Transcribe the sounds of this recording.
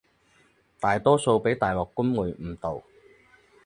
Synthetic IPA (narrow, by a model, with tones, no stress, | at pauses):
t̪aː˨jt̪ɔː˥so˧wpe˨˥jt̪aː˨˩jwɔː˨˩kːʊ˥nwu˨˧jm̩˨˩t̪o˨w